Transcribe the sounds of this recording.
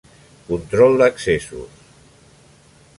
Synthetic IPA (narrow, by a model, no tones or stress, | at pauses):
kunt̪ɾɔlˠd̪əksesṵs